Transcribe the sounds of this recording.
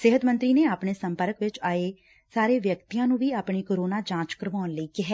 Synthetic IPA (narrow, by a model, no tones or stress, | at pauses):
sɪɦət̪mə̃nt̪ɾiːneːaːpɳeːsəmpəɾəkʋɪt͡ʃaːeː | saːɾeːʋjəkt̪ijãːnũːʋiːaːpɳiːkoːɾoːnaːd͡ʒãːt͡ʃkəɾʋaːnləiːkɪɦɛː